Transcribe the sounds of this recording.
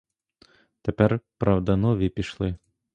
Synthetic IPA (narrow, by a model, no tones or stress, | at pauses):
t̪ɛpɛrpɾawd̪ɐnɔvʲipʲiʃlˠɨ